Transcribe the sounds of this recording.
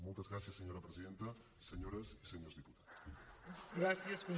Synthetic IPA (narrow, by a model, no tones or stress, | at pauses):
molˠt̪ɐzɣɾasjɐsːeɲoɾɐpɾeziðent̪ɐ | seɲoɾɐsiseɲozðiput̪ḁ | ɡɾasjɐsko